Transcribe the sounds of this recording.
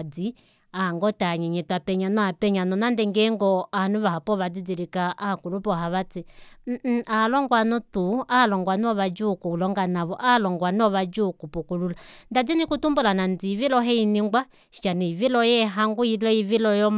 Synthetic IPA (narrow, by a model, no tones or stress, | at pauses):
d͡zi | aŋɡɔtaɲɛɲɛtuapɛɲanɔapɛɲanɔnandɛŋɡɛŋɡɔanuβahapɔβad͡zid͡ziɾikaakulupɔɦaβat͡sim̩alɔŋɡwanɔtualɔŋɡwanɔβad͡ʒukuulɔŋɡanaβɔʔalɔŋɡwanɔβad͡ʒukupukululandad͡zinikutumbulanand͡ziːvilɔɦɛiniŋɡwa | ʃi̥t͡ʃaniiβilɔjɛɦaŋɡuilɔiβilɔjɔm